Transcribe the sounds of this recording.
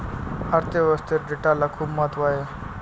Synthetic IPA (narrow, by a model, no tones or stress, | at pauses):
aɾt̪eʋəst̪eɾɖiʈalakʰuːbmat̪ʋaɦe